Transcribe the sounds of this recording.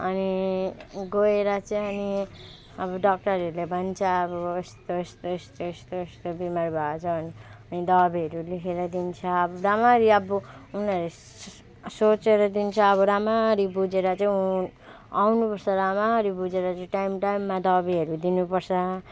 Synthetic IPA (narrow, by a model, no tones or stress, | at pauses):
ʌni | ɡoeɾʌt͡sʌĩʌni | ʌbʌɖʌk̚ʈʌɾʌɾulebʱʌnt͡sʰʌːβʌest̪oest̪oest̪oest̪oest̪obimaɾbʱat͡sʰʌːniʌnid̪ʌbiʌɾulikʰeɾʌd̪int͡sʰʌːbʌɾamaɾiʌbuunʌɾle | sot͡seɾʌd̪int͡sʰʌːbʌɾamaɾibud͡zeɾʌt͡sʌĩ | awnupʌrt͡sʰʌɾamaɾibud͡zeɾʌt͡sʌĩʈajmʈajmːad̪ʌbiɦʌɾud̪inupʌrt͡sʰʌ